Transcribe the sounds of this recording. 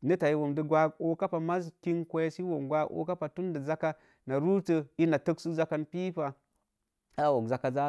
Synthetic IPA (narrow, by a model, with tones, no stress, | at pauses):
nə˦ta˨ji˦wo˨mdə˦ɡʷa˦ɡo˦ka˦pa˨ma˦zki˦nkʷo˦ja˦si˦wo˨mɡʷa˦o̰˦ka˦pa˨tu˦ndə˨za˦ka˦ | na˨ɾu˦tə˨i˦na˨tə˦ksu˦za˦ka˦npi˦pa˨ | a˦˨wo˨kza˨ka˨za˦